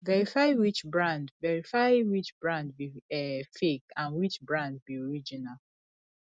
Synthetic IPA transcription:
vɛɹifaɪwit͡ʃbɹãndvɛɹifaɪwit͡ʃbɹãndbiɛfekãnwit͡ʃbɹãnd̚biɔɹid͡ʒinal

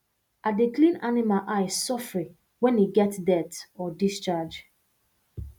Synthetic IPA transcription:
ʔadeklĩnanimalʔaɪsɔfɹi | wɛ̃niɡɛtdɛtɔdist͡ʃad͡ʒ

